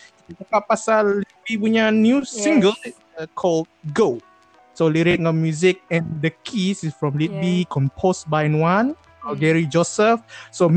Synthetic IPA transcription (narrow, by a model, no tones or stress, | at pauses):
imakaʔpasallit̚bipuɲanjusĩŋɡəl | kʰɔld̚ɡo | soliɹetŋɔmjuzik̚ɛ̃ndəkʰisisfɹɔ̃mlit̚bikʰɔ̃mpʰosbajnwãn | ɔɡɛɹid͡ʒɔsəfsom